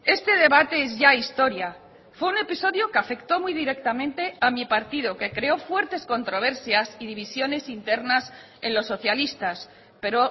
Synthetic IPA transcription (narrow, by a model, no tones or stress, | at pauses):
e̞st̪e̞ð̞e̞βat̪e̞ezʝaist̪o̞ɾja | fwe̞une̞piso̞ðjokeafe̞kt̪o̞mujðiɾe̞k̚t̪amẽ̞nt̪e̞amipaɾt̪ið̞oke̞kɾe̞o̞fwe̞ɾt̪e̞sko̞nt̪ɾo̞β̞e̞ɾsjasið̞iβ̞isjo̞ne̞sint̪e̞ɾnas | e̞nlo̞sːo̞θjalist̪as | pe̞ɾo̞